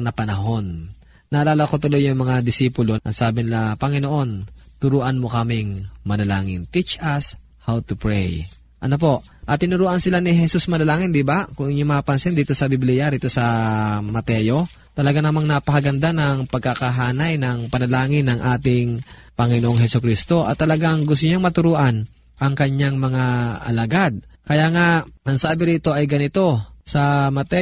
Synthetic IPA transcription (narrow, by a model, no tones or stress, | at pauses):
nɐpɐnɐɦo̞nː | ɐʔɐlaːlɐko̞t̪ʊlo̞jːʊŋmɐŋad̪ɪsiːpʊlo̞ʔɐsaːbɪnɪlapɐŋɪno̞ʔo̞nt̪ʊɾuːʔɐnmokɐmɪŋmɐlɐlaːŋɪnt̪it͡ʃʔɐs | hawt̪ʊpɹɛj | ʔɐno̞p̬o̞ʔ | ʔɐt̪ɪnʊɾuːʔɐnsɪlanɪɦɛsusmɐlɐlaːŋɪnd̪ibakʊŋŋjʊmaːpɐnsɪnd̪iːt̪o̞sɐbɪblijaɾiːt̪o̞sɐmɐt̪ɛjo̞ | t̪ɐlɐɡanamaŋnɐpɐhɐɡɐnd̪anɐŋpɐɡ̚kakaɦaːnajnɐŋpɐnɐlaːŋɪnːɐŋʔaːt̪ɪŋpɐŋɪnoʔoŋɦɛsʊkɾist̪o̞ʔɐ̰t̪ːɐlɐɡaŋɡʊst̪ʊɲaŋmɐt̪ʊɾuːʔan | ʔɐŋkɐɲːaŋmɐŋaʔɐ̰lɐɡad̪̚kɐjaːŋaɐŋsaːbɪɾiːt̪o̞ʔɐjɡɐnɪt̪o̞sɐmɐt̪ɛ